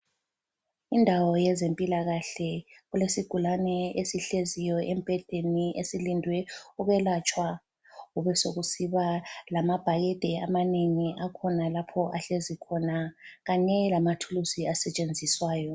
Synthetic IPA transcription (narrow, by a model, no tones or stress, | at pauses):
indʱawɔjɛzempʼilaɣaɬɛɣulesiɡ̥ʱulanɛesiɬezijɔʔɛmb̥ʱɛd̥ʱeniʔesilindʱwɛuɣɛlat͡ʃʼwa | uβɛsoɣusiβalamab̥ʱajɛd̥ʱɛamaneŋiʔakʰɔnalapʰɔʔaɬezikʰɔnaɣaɲɛlamatʰulusiasɛt͡ʃʼend͡zʱiswaːjɔ